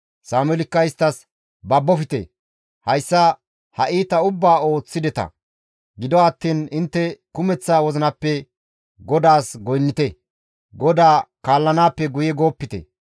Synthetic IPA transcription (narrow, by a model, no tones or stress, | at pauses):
saːmɛlɪkːɐɪst̪ːɐs | bɐbːɔfɪt̪ɛ̰ | hɐjsːɐ | hɐʔiːt̪ɐʊbːaːo̞ːt͡sːɪd̪ɛt̪ɐ̰ | ɡɪd̪ɔɐt̪ːiːnɪnt̪ːɛkʊmɛt͡sːaːwɔzɪnɐpːɛ | ɡɔd̪aːsɡɔjnːɪt̪ɛ | ɡɔd̪aːkaːlːɐnaːpːɛɡʊjɛɡo̞ːpːɪt̪ɛ̰